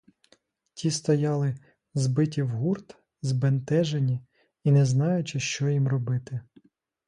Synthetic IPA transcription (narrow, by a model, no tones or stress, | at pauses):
tʲist̪ɔjɑlˠɪ | zbɪtʲiwɦurt̪ | zbent̪ɛʒenʲi | inɛznɑjʊt͡ʃɪʃt͡ʃɔjimrɔbɪt̪ɪ